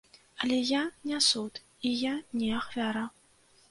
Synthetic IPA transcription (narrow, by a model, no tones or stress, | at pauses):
ɐlʲɛjanʲasut̪ | ijanʲɛaxvʲaɾa